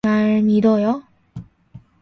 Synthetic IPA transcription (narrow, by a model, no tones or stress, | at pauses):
aɭmidʌjo